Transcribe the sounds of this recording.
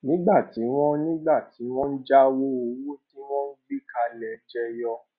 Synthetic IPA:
nĩ˨˦ɡ͡ba˦˨ti˨˦w̃ɔ̃˦nĩ˦ɡ͡ba˦˨ti˨˦w̃ɔ̃˦n̩˦d͡ʒa˦wo˦o˨˦wu˦ti˦w̃ɔ̃˦n̩˦ɡ͡bi˦ka˧lɛ˨d͡ʒɛ˧jɔ˧

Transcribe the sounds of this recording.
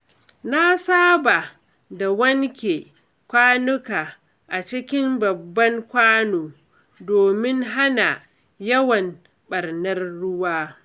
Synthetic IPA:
na˦saː˦ba˨ | da˨wɐ˦ŋkʲe˨ | kʷaː˦nʊ˦kaː˨ | ʔa˨t͡ʃɪ˦kʲɪ˦mbɐ˨bːɐ˦ŋkʷaː˦noː˨ | doː˨mɪ˦ŋɦa˦na̰˨ | jɐ˦wɐ˨m | ɓɐ˨rnɐ˦rːʊ˦waː˦

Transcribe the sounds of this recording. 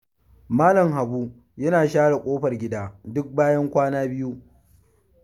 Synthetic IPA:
maː˦lɐ˨mɦa˨buː˦ | jɐ˦naː˨ʃaː˦ɽa˨kʷʼoː˦ɸɐ˨rɡʲɪ˦daː˦dʊ˦k̚baː˦jɐ˦ŋkʷaː˦naː˦bɪ˦ju˦

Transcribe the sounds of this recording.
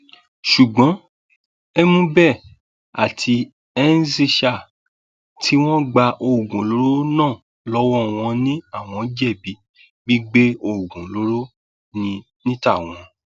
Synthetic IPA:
ʃu˨ɡ͡bɔ̃˨˦ | ɛ˦mũ˦bɛ˦˨ | a̰˨tʰi˧ | ɛ˦n̩˦si˦˧ʃa˦˨ | tʰi˦w̃ɔ̃˦ɡ͡ba˧ʔo˧˨ɡũ˨lo˨˦ɾo˦nãː˦˨ | lɔ˦wɔ˦˨w̃ɔ̃˧nĩ˦a˦˨w̃ɔ̃˧˨˦d͡ʒɛ˦˨bi˨˦ | ɡ͡bi˦ɡ͡be˦o˧˨ɡũ˨lo˨˦ɾo˦ | nĩ˧ | nĩ˦ta˦˨w̃ɔ̃˧

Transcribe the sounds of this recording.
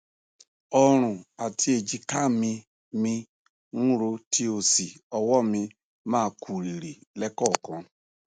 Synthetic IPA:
ɔ˧ɾ̃ũ˨a˨tʰi˧˦e˨d͡ʒi˧ka˦˨mĩ˧ | mĩ˧ | nũ˦ɾo˧tʰi˧o˨si˨ɔ˧wɔ˦mĩ˧ | mãː˦˧kʰu˨ɾi˨ɾi˨lɛ˦kɔ˦˨kɔ̃˨˧

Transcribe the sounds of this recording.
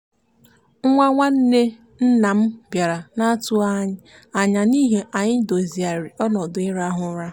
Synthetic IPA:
ŋ̩˦ŋʷa˦ŋʷa˦n̩˦ne˦ | n̩˦na˨m̩˦bja˨ɾa˨na˦tʊ˦a˦ɲɪ˦ | a˨ɲa˨ni˦ɦe˨ʔa˨ɲɪ˦do˨zi˨a˨ɾi˨ɔ˦nɔ˨dʊ˨ɪ˦ɾa˦ɦʊ˨˦ɾa˦

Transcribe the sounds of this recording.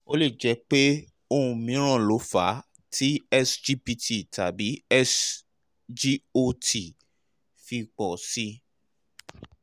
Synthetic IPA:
o˦le˦˨d͡ʒɛ˨˧˦k͡pe˦ | o˧ũ˧mĩ˨˦ɾ̃ã˦˨lo˨˦fa˨˦ | tʰi˦ɛ˦sd͡ʒi˦pi˧ti˨ta˨bi˨˦ɛ˦s | d͡ʒi˦o˧ti˨ | fi˧k͡pɔ˨si˧˦

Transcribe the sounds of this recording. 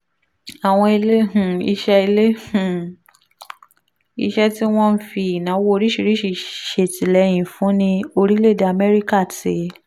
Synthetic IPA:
a˨w̃ɔ̃˧i˧le˦hũ˨ḭ˧ʃɛ˦i˧le˦hũ˨ | ḭ˧ʃɛ˦ti˦w̃ɔ̃˦n̩˦fi˧i˨nã˨˦wo˦o˧ɾi˦ʃi˨˧˨ɾi˦ʃi˧˨ʃe˨ti˨lɛ˨˦j̃ĩ˨fũ˨˦nĩ˧o˧ɾi˦le˦˨da˨a˨mɛ˦ɾi˦ka˦˨ti˨˦

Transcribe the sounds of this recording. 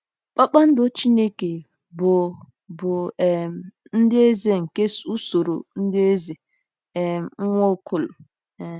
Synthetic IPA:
k͡pa˦k͡pa˦n̩˦do˦t͡ʃi˦ne˦ke˨ | bʊ˨ | bʊ˨m̩˨ | n̩˦dɪ˦e˦ze˦ŋ̩˨ke˦su˦so˨ɾo˨n̩˦dɪ˦e˦ze˨ | ɛ˨ŋ̩˦ŋʷo˦˨˦kʰʊ˨lʊ˨

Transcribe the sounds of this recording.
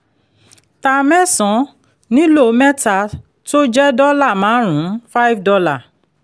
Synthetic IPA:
ta˧mɛ˦˨sɔ̃˨˦ | nĩ˦lo˦˨˦mɛ˦ta˧˨ | to˦d͡ʒɛ˦dɔ˦la˦˨mãː˨˦ɾ̃ũ˨˦fa˦jfdɔ˧la˦˨

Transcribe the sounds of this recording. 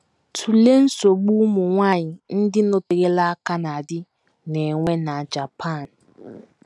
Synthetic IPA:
tʰu˨le˦n̩˦so˨ɡ͡bu˦mu˨ŋʷa˦˨ɲɪ˨n̩˦dɪ˦no˦te˨ɣe˦la˦a˦ka˦na˨dɪ˦ | ne˨ŋʷe˦na˨d͡ʒa˨pʰa˦˨n

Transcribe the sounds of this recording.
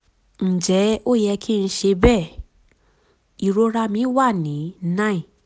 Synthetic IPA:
n̩˨d͡ʒɛ˨˦o˦˨jɛ˧kʰi˦n̩˧ʃe˧bɛ˦˨ | i˨ɾo˧˦ɾa˦mĩ˨˦wa˦˨nĩ˨˦nã˦ĩ˨

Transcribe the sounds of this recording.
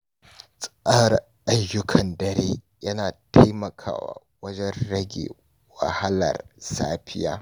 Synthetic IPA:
sʼʔɐ˦r | ʔa˦jːʊ˦kʰɐ˨ndɐ˨ɾeː˦ | jɐ˦naː˨tʰa˦jmɐ˨kʰa̰ː˦wa̰ː˨ | wɐ˦d͡ʒɛ˦nɽɐ˦ɡʲḛː˨ | wɐ̰˨ha˦lɐ̰˨rsaː˦ɸɪ˦jaː˦

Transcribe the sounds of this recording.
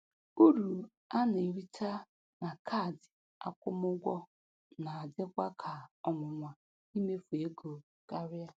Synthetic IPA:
u˦ɾu˨ | a˦ne˨ɾi˦ta˦ | na˨kʰa˦˨dɪ˨ | a̰˦kʷʊ˦mʊ˦ɡʷɔ˦ | na˨a˨dɪ˦kʷa˦kʰa˨ɔ˨mʊ˨ŋʷa˨ | i˦me˦fu˨e˦ɡo˨ | ka˦ɾja˦

